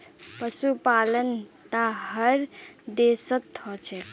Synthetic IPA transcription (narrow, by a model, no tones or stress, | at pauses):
pəsupalənt̪aɦəɾd̪esət̪hɔt͡ʃʰɛ